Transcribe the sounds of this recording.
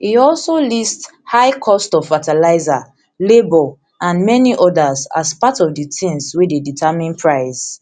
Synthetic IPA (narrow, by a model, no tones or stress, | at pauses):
iɔlsolist | haɪkʰɔstɔv̥fatalaɪza | lebo | ʔãnmɛniʔɔdaza̰spatɔvditʰĩnswideditʰamĩnpʰɹaɪs